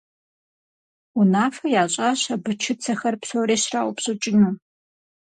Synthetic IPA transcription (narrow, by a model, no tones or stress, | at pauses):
unaːfɐjaːɕʼɐɕɐbɨt͡ʃʰɪt͡sʰɐxɐrpsowɾeːɕraʔʷpɕʼʊt͡ʃʼɪnuː